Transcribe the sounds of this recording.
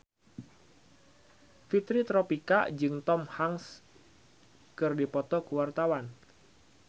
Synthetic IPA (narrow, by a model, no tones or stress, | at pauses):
fit̪ɾit̪ɾɔpika̰d͡ʒɨŋt̪ɔmhaŋs | kɨrdipɔt̪ɔkuwart̪awan